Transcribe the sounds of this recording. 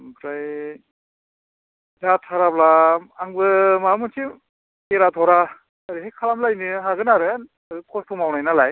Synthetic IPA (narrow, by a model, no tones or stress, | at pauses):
pʰɾaj | datʰaɾablaaŋbɯmamɯntʰim | eɾat̪ʰɔɾa | aɾiɦejkʰalamlajnɯɦaɡɯnaɾɯn | azɯkʰɔstʰumawnajnalaj